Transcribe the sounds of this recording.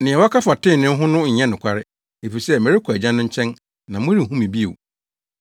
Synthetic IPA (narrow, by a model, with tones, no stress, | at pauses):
nɪ̃˨ɛ˨wɔ˦kʰa˦fa˨tʰɪ̃˦˨nɪ̃˦n˦ɦʊ̃˦nʊ̃˦ɲ̩˨ɲɛ̃˦nʊ̃˨kʰʷa˦ɾɪ˦ | e˨fi˨sɛ˦˨mɛ̃˨ɾɪ˦kʰɔ˨æ˨d͡ʑã˦nʊ̃˦ɲ̩˦t͡ɕʰɛ̃˦n | nã˨mʊ̃˦ɾi˦˨hũ˦mĩ˨bi˦ḛ˨w